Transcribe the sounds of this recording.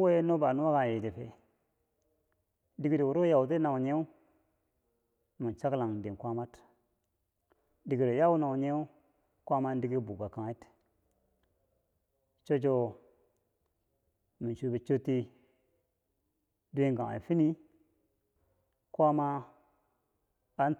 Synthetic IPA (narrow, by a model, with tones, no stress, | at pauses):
wo˦je˦no˦ba˨nu˦wa˦ɡa˨je˨de˨pe˨ | di˨ɡi˦de˨wu˨ɾo˦ja˨wt̬e˦na˨wɲe˦u˦ | mi˨n˨t͡ʃa˦kla˨ŋdi˨kʷa˦ma˦t | di˨ɡi˨ɾe˨ja˦wu˦na˨wɲe˦u˦ | kʷa˦ma˦n˦di˦ɡi˦bu˨ɡa˨ka˨i˦t | t͡ʃo˦d͡ʒo˦ | mi˨t͡ʃu˦bi˨t͡ʃo˦tːi˦ | du˦e˦ŋɡa˨a̰˨fi˦ni˦ | kʷa˦ma˦ | n